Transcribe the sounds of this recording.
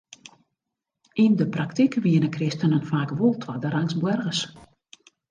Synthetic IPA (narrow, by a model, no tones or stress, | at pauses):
indəpraktikʋiənəkrɪstənənfaːkʋolˠtʰwadəɾaŋsbwɛrɣəs